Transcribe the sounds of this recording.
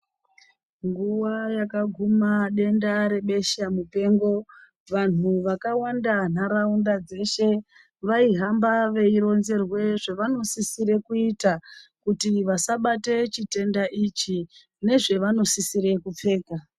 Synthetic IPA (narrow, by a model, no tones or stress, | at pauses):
ŋɡuwajakaɡʱumaɗe̞ndaɾe̞ɓe̞ʃamupe̞ːŋɡo̞ | ʋan̤uʋakawandan̤aɾaundad͡ze̞ʃe̞ | ʋaiɦambaʋe̞iɾo̞nze̞rwe̞ʐeʋano̞sisiɾe̞kuitakutiʋasaɓate̞t͡ʃite̞ndaʔit͡ʃi | ne̞ʐe̞ʋano̞sisiɾe̞kup͡fe̞ːka